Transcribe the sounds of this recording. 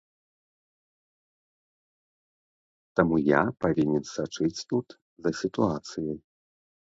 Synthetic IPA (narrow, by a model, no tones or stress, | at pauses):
t̪amujapavʲinʲɛnsat͡ʂɨt͡sʲt̪ut̪ | zɐsʲit̪uat̪sɨjɐj